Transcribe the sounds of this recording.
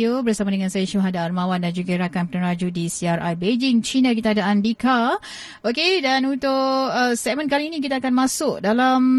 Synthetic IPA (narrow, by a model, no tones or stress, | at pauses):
obərsamadəŋansajaʃuɦadaarmãwandand͡ʒuɡaiɾakanpənəɾad͡ʒudisiarʔa̰jbed͡ʒɪŋt͡ʃinãk̬it̪aːdaandika | okedanunt̪ʊʔəsɛk̚mə̃nkaliinĩk̬it̪aːkanmãsʊk̚dalam